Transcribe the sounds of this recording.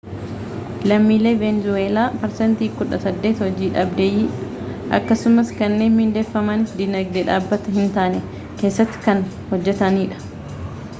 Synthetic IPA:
lɐmːiːle̞ːvenzʊweːlaːpɐɾsɛnt̪iːkʊᶑɐsɐd̪ːe̞ːt̪hɔd͡ʒiːᶑɐːbd̪ejiːᶑ | ʔɐ̰kːɐsʊmɐskɐnːe̞ːnhɪnd̪eːfːɐmɐnɪd̪ɪnɐɡ̚d̪ɛᶑaːbːɐt̪ɐhɪnt̪aːnɛ | ke̞ːsːɐt̪ːɪ̥kɐn | hɔd͡ʒːɛt̪ɐniːᶑɐ̥

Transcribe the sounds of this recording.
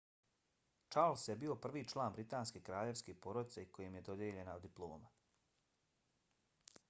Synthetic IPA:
t͡ʃaɾlˠsjebiːo̞pr̩ʋiːt͡ʃlˠaːnbɾit̪aːnskekɾaːʎe̞ʋskepo̞ɾod̪it̪seiko̞jemje̞d̪o̞d̪jeʎe̞naod̪ːiplˠo̞ːma

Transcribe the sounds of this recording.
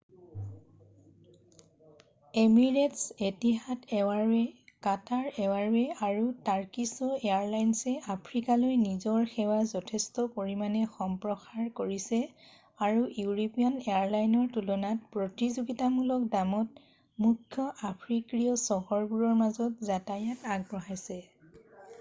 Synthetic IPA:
emiɹetsetiɦatʰɛaɹɛkataɹɛwaɹɛaɹutaɹkisɔeaɹlajnsɛapʰɹikalojnizɔɹxɛwazɔtʰɛstɔpoɹimanɛxɔmpɹɔxaɹkoɹisɛ | aɹujuɹopijɔneaɹlajnɔɹtulɔnat̚pɹotizuɡitamulɔk̚damɔt̚ | mukʰjɔʔapʰɹikɹiɔsɔɦɔɹbuɹɔɹmazɔtzatajataɡ̚bɹɔɦajsɛ

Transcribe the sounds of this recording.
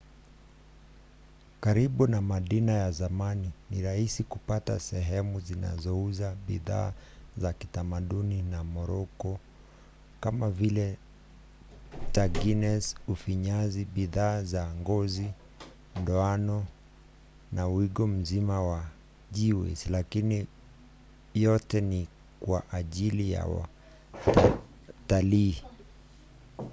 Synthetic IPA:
kaɾiɓunamaɗinajazamaninḭɾahisikupata̰sɛɦɛmuzina̰zɔuzaɓḭða̰ːzaki̥tamaɗuninamɔɾɔkɔ | kamavilɛ | taɡinɛsufiɲaziɓiðaːzaŋɡɔzi | ndɔanɔ | nawiɠɔm̩zimawa | ʄiwɛ̰silakini | jɔtɛni | kwaʔaʄilija̰wa̰ | taliː

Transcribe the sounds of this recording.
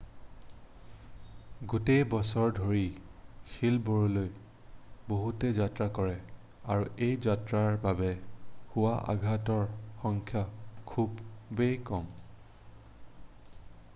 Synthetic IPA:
ɡutejbɔsɔɹdʱoɹixilboɹɔloj | boɦutɛzatɹakɔɹɛ | a̰ɹuʔejzatɹaɹbabɛhuwaʔa̰ɡʱatɔɹxɔŋkʰjakʰubːejkɔm

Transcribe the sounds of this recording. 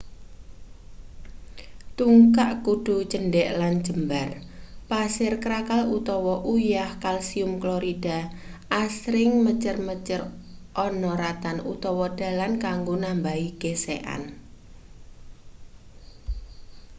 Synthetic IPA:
t̪uŋkaʔkuɖ̥ṳt͡ʃənɖɛʔland͡ʒəmbar | pasɪrkəɾakalut̪ɔwɔʔujahkalsiʊmkloɾid̥a̤ | ʔasɾɪŋmət͡ʃərmət͡ʃərʔɔnɔɾat̪anṵt̪ɔwɔd̥a̤lankaŋɡonambaiɡ̥esḛʔa̰n

